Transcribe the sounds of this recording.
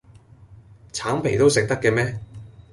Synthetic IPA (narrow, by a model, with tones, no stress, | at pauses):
t͡sʰaː˨˥mpʰe˨˩jt̪o˥wsɪ˨k̚t̪ɐ˥kːɛ˧mɛː˥